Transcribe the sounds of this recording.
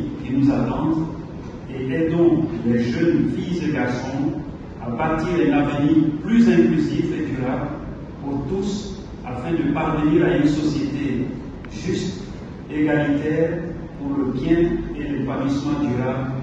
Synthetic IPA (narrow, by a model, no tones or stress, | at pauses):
kinuzat̪ɑ̃d̪ | eʔɛd̪ɔ̃klɛʒənfijzeɡaʁsɔ̃ | abat̪iʁɛ̃navəniʁplyzɛ̃klyzifed̪yʁabl | puʁt̪us | afɛ̃d̪əpaʁvəniːʁaynsɔsjet̪e | ʒyst̪ | eɡalit̪ɛːʁ | puʁləbjɛ̃elepalismɑ̃d̪yʁabl